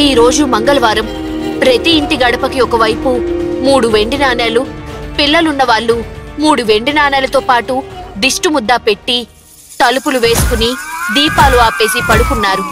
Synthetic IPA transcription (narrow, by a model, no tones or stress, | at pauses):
iːɾo̞ːd͡ʒumɐŋɡɐlɐʋaːɾɐm | pɾɐt̪iːnt̪iɡɐɽɐpɐkiɔkɐʋɐjpumuːɽuʋe̞ɳɖinaːnaːlupilːɐlunːɐʋaːɭːumuːɽuʋe̞ɳɖinaːnaːlɐt̪oːpaːʈud̪iʂʈumud̪ːaːpe̞ʈːi | t̪ɐlupuluʋe̞ːsu̥kunid̪iːpaːluaːpe̞ːsipɐɽukunːaːɾu